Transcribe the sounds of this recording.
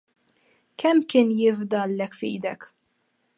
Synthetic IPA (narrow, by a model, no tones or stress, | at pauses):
kʰɛmːkɪːnjɪvd̪ɐlːɛkfḭːd̪ɛk